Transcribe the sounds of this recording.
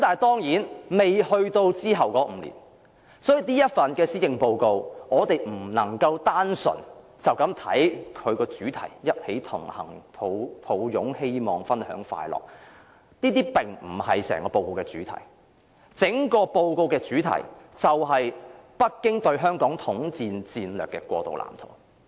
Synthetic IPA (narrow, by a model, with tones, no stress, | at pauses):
kmt̪aː˨˩t̪ɔː˥ŋjiː˨˥nme˨jhɵ˧ɥt̪o˧wt͡siː˥ɦɐ˨wkɔː˨˥m̩˨˧lḭː˨˩n | sɔː˨˥ji˨niː˥jɐ˥t̚fɐ˨nkɛː˧siː˥jɪ˨ŋpo˧wko˧wŋɔː˨˧t̪e˨˩jm̩˨˩nɐ˨˩ŋkɐ˧wt̪aː˥nsɵ̰˨˩n | t͡sɐ˨wkɐ˨˥mt̪ʰɐ̰˨˥jkʰɵ˨˧ɥkɔː˧t͡syː˨˥t̪ʰɐ̰˨˩jjɐ˥t̚he˨˥jt̪ʰʊ̰˨˩ŋhɐ̰˨˩ŋpʰo˨˧wpʰo˨˧wjʊ˨˥ŋhe˥jmɔː˨ŋfɐ˥nhœ̰ː˨˥ŋfa̰ː˧jlɔ̰ː˨k̚ | niː˥t̪iː˥pɪ˨ŋm̩˨˩hɐ˨jsɛ̰ː˨˩ŋkɔː˧po˧wko˧wkɛː˧t͡syː˨˥t̪ʰɐ̰˨˩j | t͡sɪ˨˥ŋkɔː˧po˧wko˧wkɛː˧t͡syː˨˥t̪ʰɐ̰˨˩jt͡sɐ˨wɦɐ˨jpɐ˥t̚kɪ˥ŋt̪ɵ˧ɥɦœː˥ŋkɔː˨˥ŋt̪ʰʊ˨˥ŋt͡siː˧nt͡siː˧nlœː˨kːɛ̰˧kʷwɔ̰ː˧t̪o̰˨wla̰ː˨˩mt̪ʰʊ̰ː˨˩